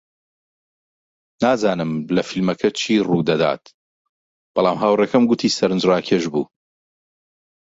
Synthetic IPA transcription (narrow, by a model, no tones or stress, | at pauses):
naːzaːnɨmlɐfilmɐkʰɐt͡ʃʰiːruːd̪ɐd̪a̰ːt̪̚ | b̥ɑlˠaːmɦaːwrekɐmɡʊt̪ʰiːsɐɾɨnd͡ʒɾaːkʰeːʒbṵː